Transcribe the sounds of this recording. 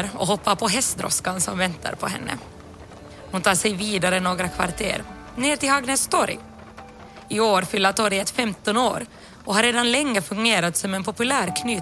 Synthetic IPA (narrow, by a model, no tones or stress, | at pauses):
ɾɔ̰ɦɔpːapʰɔɦɛst̪d̪ɾɔ̰skansɔmvɛnt̪ʰa̰ɾpʰɔɦɛ̰nːʔə̰ | hʊnt̪ʰɑːʂɛjviːd̪aɾənoːɡɾakʰva̰ɾt̪ʰḛːɾ | neːʈɪlhaɡnɛst̪ʰɔɾɪ̰ | ɪoːɾfʏlːat̪ʰɔɾjət̪fɛmt̪ɔno̰ːɾ | ɔhaɾːeːd̪anlɛŋːəfɵŋɡeːɾat̪sɔmɛnpʰɔpɵlæːɾkʰnyː